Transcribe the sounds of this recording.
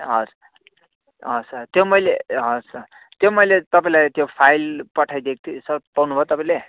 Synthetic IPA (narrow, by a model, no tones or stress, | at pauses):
ɦʌɾ | ɦʌsʌt̪jomʌjleɦʌsʌ | t̪jomʌjlet̪ʌpãĩlajt̪jopʰajlpʌʈʰajd̪ek̚ʰt̪ʰusʌpawnubʱot̪ʌpãĩle